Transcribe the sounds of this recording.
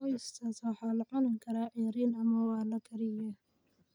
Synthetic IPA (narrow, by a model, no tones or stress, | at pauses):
ɔjst̪ʰaswɑħɑːlɐʕɔnɐŋkʰɐɾaːʕiːɾiːnɐmɐwɑːlɐkʰɐɾɪjɐ